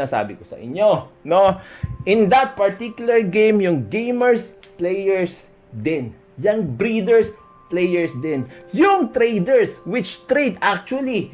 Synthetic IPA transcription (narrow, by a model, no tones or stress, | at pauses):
asa̰ːbɪkosɐ̰ʔɪ̰ɲːonoʔɪ̃nd̪ɐt̪̚pɐɹt̪ikjʊlɐɹɡẽjmjʊŋɡẽjmɛɹs | plejɛɹs | d̪ɪn | jɐŋbɾid̪ɛɹs | plejɛɹsd̪ɛ̃njʊŋt̪ɾejd̪ɛɹswɪt͡ʃt̪ɾejd̪ak̚t͡ʃuɐli